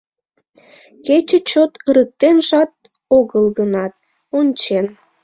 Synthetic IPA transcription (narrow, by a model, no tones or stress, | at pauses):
ket͡ɕə̆t͡ɕot̪əɾək̚t̪enʒɑt̪̚ | oɣəlɣənɑt̪̚ | onʲt͡ɕen